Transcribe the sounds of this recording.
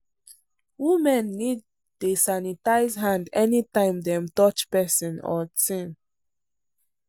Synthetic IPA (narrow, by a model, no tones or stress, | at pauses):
wimɛ̃nːid̚ | tosanitaɪzɦãndɛnitãɪ̃mdɛ̃mtɔt͡ʃpɛsɔ̃nɔ̰tĩn